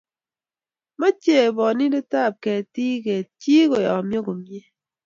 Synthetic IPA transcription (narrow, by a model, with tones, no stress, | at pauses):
mɔ˦t͡ʃe˦˨bɔ˨ni˦de˦ta˦˨p̚kɛ˨ti˦kɛ˨t͡ʃi˦ko˨jɔ̰˨mjɔ˦ko˨mje˦